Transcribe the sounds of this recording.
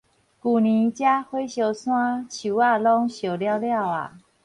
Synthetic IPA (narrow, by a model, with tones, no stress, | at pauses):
ku˨˩nĩ˨˦t͡ɕja˦hwe˦ɕjo˧sw̃ã˦t͡ɕʰu˨˩a˥˧lɔ˦ŋɕjo˨˩lja˦ʊlja˥˨ʊa̰˨˩